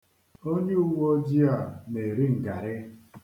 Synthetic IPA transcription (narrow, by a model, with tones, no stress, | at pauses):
o˦ɲe˦u˦wo˦d͡ʒi˦a˨me˨ɾi˦ŋ̩˨ɡa˨ɾɪ˦